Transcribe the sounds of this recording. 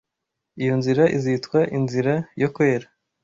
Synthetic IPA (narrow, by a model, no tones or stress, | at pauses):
ijo̞nziɾaʔizitkwaʔinziɾajokwe̞ːɾa